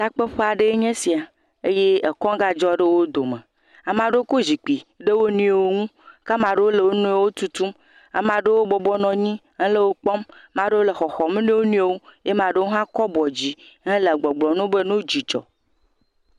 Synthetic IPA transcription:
t̪a˦k͡pe˦ɸe˦a˨ɖe˦e˦ɲɛ̃˦si˨a˨ | e˦je˦e˨kɔ̃˦ɡa˦d͡ʒɔ˦ɖe˦wo˦d̪o˨mḛ̃˨ | a˨mã˨ɖwo˦ko˦d͡ʑi˨k͡pi˨ɖe˦wo˦nũ˦e˨wo˦ŋũ˦ka˦mã˨ɖe˦wo˦le˨wo˦nũ˦e˦wo˦t̪u˦t̪u˦m | a˨mã˨ɖe˦wo˦bɔ˨bɔ˦nɔ̃˨ɲĩ˦ɦɛ̃˦le˦wo˦k͡pɔ˦mːã˨ɖe˦wo˦le˨xɔ˨xɔ˨mẽ˦ne˦wo˦nũ˦e˦wo˦je˦mã˨ɖe˦wo˦ɦã˦kɔ˦bɔ˨d͡ʑi˨ | ɦɛ̃˦le˨ɡ͡bɔ˨ɡ͡blɔ˨nũ˦be˦nũ˦d͡ʑi˨t͡ʃɔ̰˨

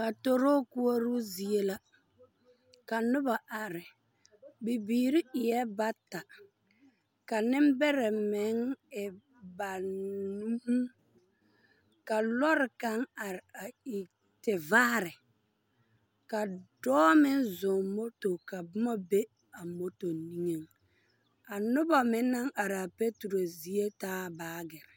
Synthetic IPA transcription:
ka˨to˦ɾo˦ku˦o˦ɾu˦zi˨e˦la˦ | ka˨nʊ˦ba˨ʔa˨ɾɪ˨ | bi˨biː˨ɾi˦ɪ˨jɛ˦ba˦ta˨ | ka˨nɪ˦m˦bɛ˦ɾɛ˨mɪ˨˦ŋɪ˨ | ba˨nu˦m˦ | ka˨lɔ˦ɾɪ˨ka˦ŋa˨ɾa˨i˨ | tɪ˨vaː˦ɾɪ˨ | ka˨dɔː˦mɪ˦nzʊ˨ŋmo˦to˨ka˨bʊ˦ma˦be˦ | a˨mo˦to˨ni˦ŋe˦ŋ | a˨nʊ˦ba˨mɪ˦nːa˦ŋʔa˨ɾa˨pe˦tu˨ɾo˨zi˨e˦taː˦baː˦ɡɪ˨ɾɪ˨

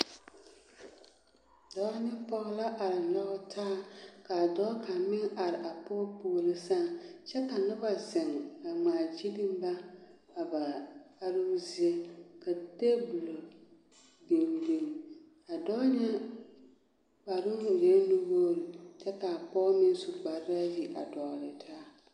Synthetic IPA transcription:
dɔː˦nɪ˦pɔ˦ɣla˦ʔa˨ɾɪ˨lɔ˦ɣʊ˦tʰaː˦ka˨dɔː˦kʰa˨mɪ˦ŋa˨ɾɪ˨ʔa˨pɔː˦poː˦˨li˦sa˦˨t͡ʃɛ˦ka˨nʊ˦ba˨zɛ˨ŋ˨a˨ŋ͡maː˨d͡ʒi˦dɪ˦m˦ba˦ | a˨ba˨a˦ɾɪ˦zi˦e˦ka˨te˦bu˨lo˨ | bi˨m˨bi˨n˨ | a˨dɔː˦ɲɛ˦ | ba˨ɾʊ˦ʊ˨je˦nu˦woː˦li˨t͡ʃɛ˦ka˨a˨pɔː˦mɪ˦ŋ˦sʊ˨ɡ͡ba˨ɾɪ˦ɾa˦ji˨ʔa̰˨dɔ˨lɪ˨tʰaː˦

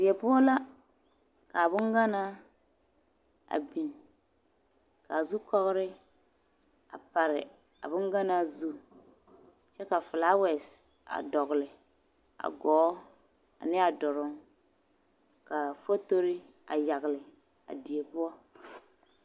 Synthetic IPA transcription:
di˨ɛ˨pʊ˦ɔ˦la˦ | ka˨bʊ˦ŋɡa˦naː˦ | a̰˨bi˨n | ka˨a˨zu˦kɔ˦ɣɾɪ˦ | a˨pa˨ɾɪ˨ | a̰˨bʊ˦ŋɡa˦na˦zu˦ | t͡ʃɛ˦ka˨fɪ˨laː˦wɛ˨s | a̰˨dɔ˨ɣʊ˨lɪ˨ | a̰˨ɡɔː˨˦ | a̰˨nɪ˦a˨dɔ˨ɾʊ˦ŋ | ka˨fo˦to˦ɾɪ˦ | a̰˨ja˨ɣɪ˨lɪ˨ | a̰˨di˨e˨pʊ˦ɔ˦

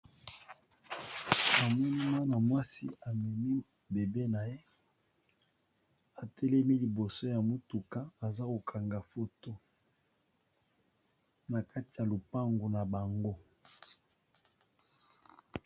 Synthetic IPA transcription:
a˨mɔ˦ni˦mwa˦na˨mwa˦si˦a˨mɛ˨mi˦ | be˨be˦na˨je˦ | a˨tʰɛ˦lɛ˦mi˦li˨bo˨so˦ja˨mo˦tu˨ka˦a˨za˦ko˨kʰa˨ŋɡa˨fo˨to˦ | na˨ka˦ti˨ja˨lo˨pa˦ŋɡu˨na˨ba˨ŋɡo˦

